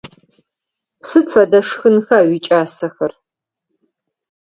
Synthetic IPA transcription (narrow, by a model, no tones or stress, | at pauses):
sɨfʰɐdɐʂxɨnxaːwit͡ʃʼaːsɐxɐr